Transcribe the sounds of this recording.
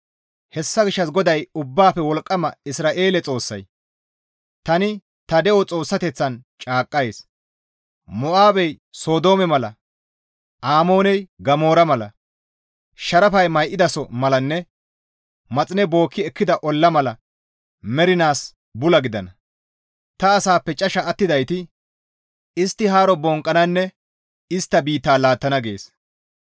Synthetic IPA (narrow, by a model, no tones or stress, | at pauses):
hɛsːɐɡɪʃːɐsɡɔd̪ɐjʊbːaːfɛwɔlkʼːɐmɐɪsɾaːʔe̞ːlɛt͡sʼo̞ːsːɐ̰j | t̪ɐnɪ | t̪ɐd̪ɛʔɔt͡sʼo̞ːsːɐt̪ɛt͡sːɐnt͡ʃʼaːkʼːɐjeːs | mɔʔaːbɛj | soːd̪o̞ːmɛmɐlɐ̰ | ʔaːmo̞ːnɛjɡɐmo̞ːɾɐmɐlɐ̰ | ʃɐɾɐfɐjmɐjʔɪd̪ɐsɔmɐlɐnːɛ | mɐt͡sʼɪnɛbo̞ːkʰːɪɛkːɪd̪ɐʔɔlːɐmɐlɐ | mɛɾɪnaːs | bʊlɐɡɪd̪ɐnɐ | t̪ɐːsaːpːɛt͡ʃʼɐʃɐʔːt̪ːɪd̪ɐjt̪ɪ | ɪst̪ːɪɦaːɾɔbɔŋkʼːɐnɐnːɛ | ɪst̪ːɐbiːt̪ːaːlaːt̪ːɐnɐɡe̞ːs